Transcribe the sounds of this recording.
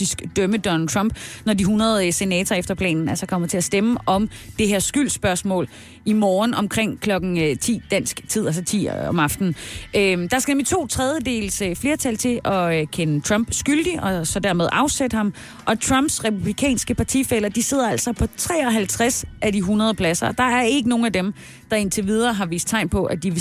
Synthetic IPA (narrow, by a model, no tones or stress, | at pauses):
isɡ̥d̥œməd̥ɒ̽nl̩t͡sʰʁɑmb̥nɒdiɦunɐð̞̩ˠse̝nɛ̰ːt͡sʰɐːefd̥ɐpʰlɛ̰ːnn̩ælsɒkʰɒ̽m̰ɐt͡sʰe̝æsd̥eməʔɒ̽md̥e̝ɦeɐsɡ̥yl̰sb̥ɶɐsmɔ̰̽ːl | imɒːnʔɒ̽mkʰʁeŋ̰kʰlɒ̽ɡ̥n̩øt͡sʰḭːd̥æn̰sɡ̥t͡sʰið̞̰ˠælsɒt͡sʰḭːɒ̽mɑ̈fd̥n̩ʔød̥ɑ̈sɡ̥ænemlit͡sʰo̝̰ːt͡sʰʁað̞ˠjəd̥e̝̰ːlsəfle̝ːɐt͡sʰælt͡sʰe̝lɒ̽økʰenət͡sʰʁɑmb̥sɡ̥yld̥iʔɒ̽sɒ̽d̥æɐmeð̞ˠʔɑ̈ʊsed̥əhɑ̈m | ʔɒ̽t͡sʰʁɑ̈mb̥sʁɛpʰub̥likʰɛ̰ːnsɡ̥əpʰɑ̈t͡sʰḭfel̰ɐd̥ise̝ð̞̰ˠɐæl̰sɒ̽pʰɒ̽t͡sʰʁɛ̰ːɒ̽ɦælt͡sʰʁasʔædiɦunɐð̞ˠpʰlæsɐɒ̽d̥ɑ̈æɐe̝ɡ̥əno̝ːn̩æd̥em | d̥ɑ̈e̝nt͡sʰe̝ʋið̞ˠɐːɦɑ̈ʋḭːsd̥̚t͡sʰɑ̈ɪ̰npʰɒ̽ʔæd̥iʋe